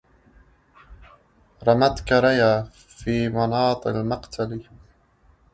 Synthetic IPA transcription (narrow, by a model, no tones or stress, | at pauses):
ɾˤɑmat̪kaɾajaː | fiːmɑnɑːt̪ˤʔalmaqt̪ʰali